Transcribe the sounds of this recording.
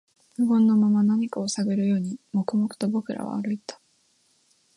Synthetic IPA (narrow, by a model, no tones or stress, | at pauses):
ɯɡõ̞nːo̞mamanaɲ̟ikao̞saɡɯɾɯ̟jo̞ːɲ̟imo̞kɯ̟mo̞kɯ̟̥t̪o̞bo̞kɯ̟ɾʔa̰β̞a̰ːɾɯ̟it̪ḁ